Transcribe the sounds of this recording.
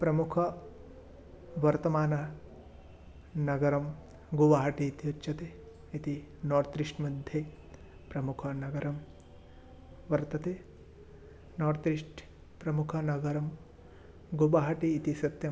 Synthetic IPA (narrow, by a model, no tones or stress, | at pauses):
pɾɐmukʰɐ | ʋɐɾt̪ɐmaːnɐ | nɐɡɐɾɐm | ɡoʋaːɦɐʈiːt̪iut͡ʃːʃɐt̪e | it̪i | noːɾt̪ɾiʂʈmɐd̪ʱje | pɾɐmukʰɐnɐɡɐɾɐm | ʋɐɾt̪ɐt̪e | noːɾt̪ɾiʂʈ | pɾɐmukʰɐnɐɡɐɾɐm | ɡobaːɦɐʈiːt̪isɐt̪jɐ